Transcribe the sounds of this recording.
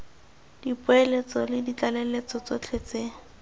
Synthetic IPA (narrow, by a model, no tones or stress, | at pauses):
d̥ipʊelet͡sɔlɪdit͡ɬalelet͡sɔt͡sot͡ɬʰet͡seːŋ̩